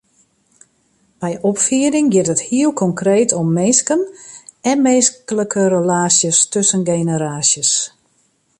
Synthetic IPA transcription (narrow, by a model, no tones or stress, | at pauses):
b̥ɛjʔɔpfiəɾɪŋɡɪtəthiəlˠkʰɔŋkreːtʰɔmːeːskənɛnmeːskələkʰəɾəlaːsjəstøsənɡeːnəɾaːsjəs